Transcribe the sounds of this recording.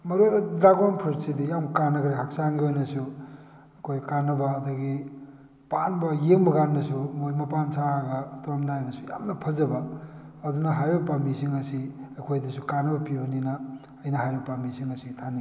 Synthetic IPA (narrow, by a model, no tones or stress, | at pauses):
mɐɾodɾaɡanpʰɐɾsidijamkanɐɡɾehak̚saŋɡiojnɐsu | ɐkʰojkanɐbɐːduɡi | panbɐjeŋbɐɡanːɐsumojmɐpansʰaɾaɡɐtuamdajdɐsuja̰mnɐpʰɐzɐbɐ | ɐd̪unɐɦajɐpambisiŋɐsiɐkʰojdɐsukanɐbɐpibɐninɐː | jnɐɦajbɐpambisiŋɐsitʰani